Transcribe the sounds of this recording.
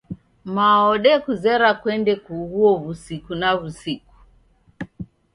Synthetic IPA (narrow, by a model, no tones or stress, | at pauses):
maɔɗɛkuzɛɾakwɛndɛkuɣuɔβusikunaβusiku̥